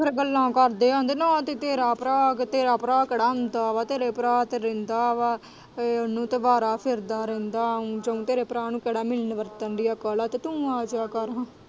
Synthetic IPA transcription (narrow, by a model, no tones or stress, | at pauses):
pʰɪɾɡəlːãːkəɾd̪eːãːnd̪eːnãːt̪eːt̪eːɾaːpɾaːt̪eːɾaːpɾaːkeːɽaːʊnd̪aːʋaːt̪eːɾeːpɾaːt̪eːɾẽnd̪aːʋaː | nũːt̪ebaːɾaːpʰɪɾd̪aːɾɛ̃ːnd̪ãːd͡ʒəõːt̪eːɾeːpɾaːnũːkeːɽaːmɪlnʋəɾt̪ənɖɪjaːkəlaːt̪eːt̪ũːaːd͡ʒaːkəɾã